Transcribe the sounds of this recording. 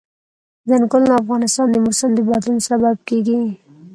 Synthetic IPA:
zənkʊlnaːfɣɑnɪst̪ɑnd̪əmʊɾsɪmd̪əbɑd̪lunsabab̚keɡi

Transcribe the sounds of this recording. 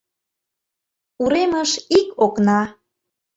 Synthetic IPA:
uɾeməʃikoknɑ

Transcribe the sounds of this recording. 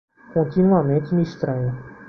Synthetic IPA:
kõnt̪inuamẽnt̪ɪmiiʃt̪ɾɐ̃ɲʊ

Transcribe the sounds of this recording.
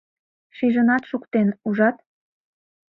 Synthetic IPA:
ʃiʒənɑt̪ʃukt̪enuʒɑt̪

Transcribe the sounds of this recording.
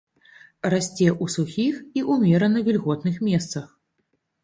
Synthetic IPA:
rasʲt͡sʲɛʔusuxʲixiʔumʲɛɾɐnɐvʲilʲɣɔt̪̚nɨxmʲɛst̪sɐx

